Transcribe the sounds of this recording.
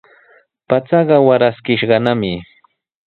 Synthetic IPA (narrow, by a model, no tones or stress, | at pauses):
pat͡sɑɢɑwaɾaskɪʃɢɑnamɪ